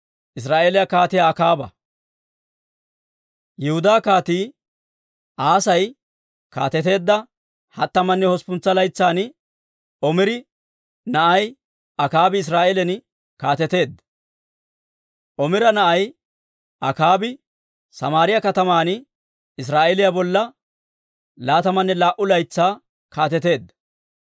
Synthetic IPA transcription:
ʔɪs̬ɾaːʔeːlɪjakaːt̪ɪjaːkaːbɐ̰ | jɛhʊd̪aːkaːt̪iː | ʔaːsɐj | ka̰ːt̪ɛt̪e̞ːd̪ːɐ | hɐt̪ːɐmɐnːɛhɔspʊnt͡sːɐlɐjt͡sːaːn | ɔmɪɾɪ | nɐʔɐj | ɐkaːbɪɪs̬ɾaːʔɛlɛn | kaːt̪ɛt̪e̞ːd̪ːɐ | ʔɔmɪɾɐnɐʔɐj | ɐkaːbɪ | sɐmaːɾɪjɐkɐt̪ɐmaːn | ɪs̬ɾaːʔɛlɪjabɔlːɐ | laːt̪ɐmɐnːɛlaːʔʊlɐjt͡sːaː | kaːt̪ɛt̪e̞ːd̪ːɐ̥

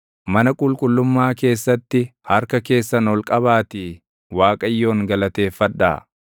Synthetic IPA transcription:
mɐnɐkʼʊlkʼʊlːʊmːaːke̞ːsːɐt̪ːɪhɐɾkɐke̞ːsːɐnɔlkʼɐβaːt̪ɪ | waːkʼɐjːo̞ːŋɡɐlɐt̪e̞ːfːɐᶑːa̰ː

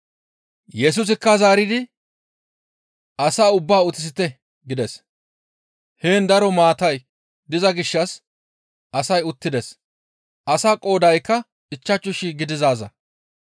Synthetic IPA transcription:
jɛs̬ʊs̬ɪkːɐzaːɾɪd̪ɪ | ɐsaːʊbːaːʊt̪ːɪs̬ɪt̪ɛ | ɡɪd̪ɛs | heːnd̪ɐɾɔmaːt̪ɐj | d̪ɪzɐɡɪʃːɐs | ʔɐsɐjʊt̪ːɪd̪ɛs | ʔɐsaːkʼo̞ːd̪ɐjkːɐ | ɪt͡ʃːɐt͡ʃːʊʃiɡɪd̪ɪzaːzɐ̰

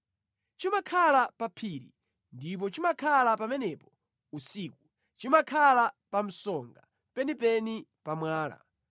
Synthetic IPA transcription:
t͡ʃimakʰalapapʰiɾḭ | ndip̬ɔt͡ʃimakʰalapamɛnɛpɔ̥ | usiːku | t͡ʃimakʰalapam̩sɔŋɡa̰ | pɛnipɛnipamwaːla̰

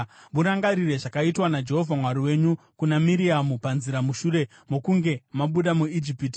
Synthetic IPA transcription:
muɾaŋɡaɾire̞ʐakaitwanad͡ʒe̞ɦo̞vʱamwaɾiwe̞ɲu | kunamiɾiamupanziɾamuʃure̞ | mo̞kuŋɡe̞maɓuɗamuid͡ʒipiti̥

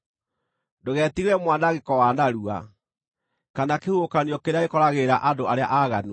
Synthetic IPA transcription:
doɣɛtiɣɛmwanaɣekɔwanaɾua̰ | kanakehuokaniɔkeɾeaɣekɔɾaɣeɾaʔadoaɾea̰ʔaɣan

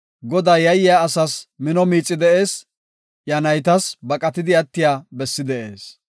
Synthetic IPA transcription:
ɡɔd̪aːjɐjɪjaɐsɐsmɪnɔmiːt͡sʼːɪd̪ɛʔe̞ːs | jɐnɐjt̪ɐsbɐkʼɐt̪ɪd̪ɪɐt̪ːɪjaːbɛsːɪd̪ɛʔe̞ːs

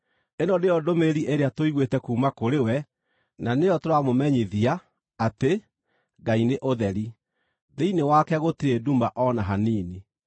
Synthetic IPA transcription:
enɔdeɔdomeɾiʔeɾeatoiɣwetɛkuːmakoɾewɛ | nanejɔtoɾamomɛɲeðiaː | te | ɡaineʔoðɛɾi | ðeinewakɛɣotiɾeduːmbaʔɔnaɦaniːne

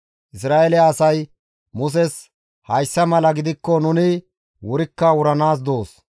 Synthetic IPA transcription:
ʔɪs̬ɾaːʔɛlɛːsɐj | mʊs̬ɛs | hɐjsːɐmɐlɐɡɪd̪ɪkːɔnʊnɪ | wʊɾɪkːɐwʊɾɐnaːs̬d̪o̞ːs

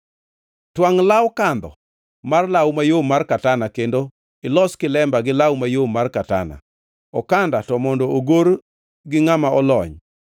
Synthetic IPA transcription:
twaŋlawkand̪ɔ̰ | marlawmajomarkatanakendo | ɪlɔskɪlɛmbaɡɪlawmajomarkata̰na̰ | ɔkandatɔmɔndɔoɡoɾ | ɡɪŋamaɔlɔɲ

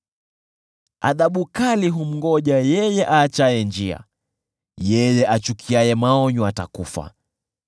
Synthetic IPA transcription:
a̰ðaɓukaliɦum̩ɡɔʄajɛjɛʔaːt͡ʃaɛnd͡ʒia̰ | jɛjɛʔat͡ʃukʰiajɛmaɔɲɔatakufa̰

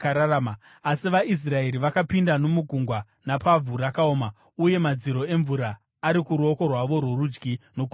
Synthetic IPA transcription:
ɾaama | asiʋaʔis̬rae̞ɾiʋakapindano̞muɡʱuŋɡwa | napavurakaoːma | uje̞mad͡ziɾo̞e̞ɱvuɾaː | ɾikuɾuoko̞rwaʋo̞rwerud͡ʒɡino̞ku

